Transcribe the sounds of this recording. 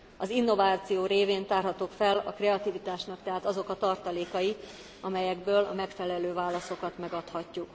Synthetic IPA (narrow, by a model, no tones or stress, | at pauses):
ɒzinːo̞vaːt̪sijoːɾeːveːnt̪aːrɦɒt̪oːkfɛlɒkrɛɒt̪ivit̪aːʃnɒk̚t̪ɛɦaːt̪ɒzo̞kɒt̪ɒrt̪ɒleːkɒji | ɒmɛjɛɡbøːlɒ̰mɛkfɛlɛløːvaːlːɒso̞kɒt̪mɛɡɒt̪hɒcːuk